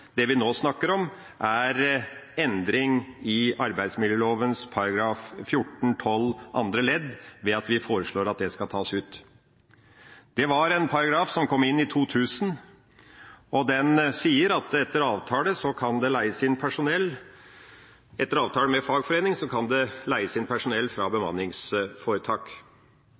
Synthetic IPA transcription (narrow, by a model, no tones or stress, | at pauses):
d̪̥ɛʋɪnoːsnɑkːəɾɔm | ʔæɾɛnd̪ɾɪŋɪɑɾbæɪd̪smɪljəloːʋənspʰɑɾɑɡɾɑːffjʊʈːɳ̩t̪ʰɔlːʔɑ̰nd̪ɾəlɛd̪ʋɛɑt̪ʋɪfoːɾəʂɭoːɾɑt̪̚d̪ɛskɑlt̪ʰɑːsʉːt̪ | d̪̥ɛʋɑɾɛnpʰɑɾɑɡɾɑːfsɔmkʰɔmːɪnːɪt̪ʰuːt̪ʰʉːsən | ɔd̪ɛnsiːəɾɑt̪ɛt̪ːəɾɑːʋt̪ʰɑːləsɔkʰɑnd̪ɛlæɪəsɪnpʰæʂʊnɛlː | ɛt̪ːəɾɑːʋt̪ʰɑːləmɛfɑːɡfɔɾeːnɪŋsɔkʰɑnd̪ɛlæɪəsɪnpʰæʂʊnɛlːfɾɑːbəmɑ̰nːɪŋsfoːɾət̪ʰɑːk